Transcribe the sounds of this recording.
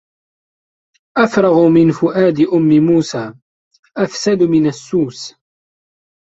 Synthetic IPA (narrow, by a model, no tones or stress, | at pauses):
ʔafɾˤɑɣʊmɪnfʊʔaːd̪ɪʔʊmːɪmuːsaː | ʔafsad̪mɪnasːuːs